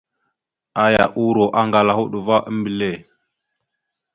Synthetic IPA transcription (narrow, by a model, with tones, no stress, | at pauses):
a˦ja̰˨ʔu˦ɾo˨ʔa˦ŋɡa˨la˨hu˦ɗu˨va˦ʔə˦mbi˨le˦˨